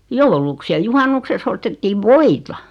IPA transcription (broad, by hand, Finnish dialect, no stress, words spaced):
jouluks jɑ juhɑnːukseks ostetːiːʋ ʋoitɑ